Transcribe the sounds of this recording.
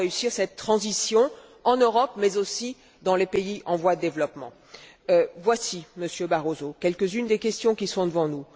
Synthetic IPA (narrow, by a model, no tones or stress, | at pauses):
eysiʁsɛt̪ːχɑ̃zisjɔ̃ | ɑ̃nøʁɔpmɛzosi | d̪ɑ̃lepeiʔɑ̃vwad̪əd̪evlɔpmɑ̰̃ | øvwasiməsjøbaʁozokʲɛlkəzynd̪ekʲɛst̪jɔ̃kʲisɔ̃d̪əvɑ̃nu